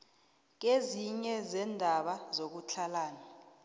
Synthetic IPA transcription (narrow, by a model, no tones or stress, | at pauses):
k̬eziɲɛzɛndʱaɓazok̬ut͡ɬʰalaːna